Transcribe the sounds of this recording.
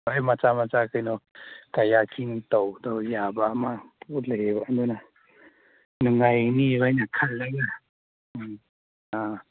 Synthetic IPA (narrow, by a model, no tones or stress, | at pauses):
ajmat͡samat͡sakʰɯjnɔkajakʰint̪ɔwd̪ɔwjabamapulebaʔnd̪ɔna | nuŋajnibajnakʰalːaɡa | a